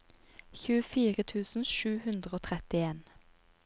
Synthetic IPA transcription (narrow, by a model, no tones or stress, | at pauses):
çʉːəfiːʁət̪ʰʉːsn̩ʃʉːhʉnd̪ʁəoːt̪ʰʁɛt̪ɪeːn